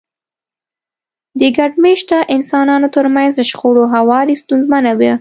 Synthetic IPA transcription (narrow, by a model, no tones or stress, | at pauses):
d̪əɡaɖmeʃt̪aʔɪnsɑnɑnot̪əɾmanzd̪əʃqoɽoɦawɑɾist̪unzmanawi